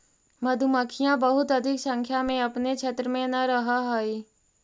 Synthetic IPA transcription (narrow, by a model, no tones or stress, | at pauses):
mɐd̪ʱuməkʰijãbəɦʊt̪ɐd̪ʱɪksə̃ŋkʰjamẽɐpnet͡ʃʰet̪ɾəmẽnɐɾɐɦaɦoi